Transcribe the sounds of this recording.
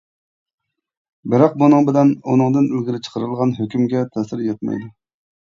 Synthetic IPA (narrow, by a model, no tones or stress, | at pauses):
bɪɾɑq̚bunɨŋbɪlɛnunɨŋd̪ɨnølɡʲiɾɪt͡ʃʰə̥qʰəɾɨlˠʁɑnɦøkʲymɡʲɛt̪ʰɛsɪɾjɛt̪̚mɛ̰jd̪u